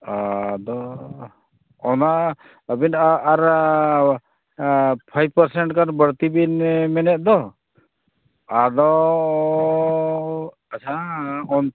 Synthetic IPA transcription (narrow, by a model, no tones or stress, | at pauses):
ad̪ɔ | ɔna | əbinaɾ | pʰajb̚pəɾsɛɳʈkaɾbəɾt̪ibinmɛnɛt̪̚ˀd̪ɔ | ad̪ɔ | at͡ʃʰaɔn